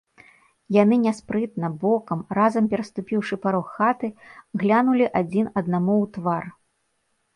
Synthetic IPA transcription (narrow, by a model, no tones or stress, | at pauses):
janɨnʲaspɾɨt̪nɐbɔkɐmrazɐmpʲɛɾɐst̪upʲiwʂɨpaɾɔxːat̪ɨɣlʲanulʲiʔad͡zʲinɐd̪̚namuwt̪var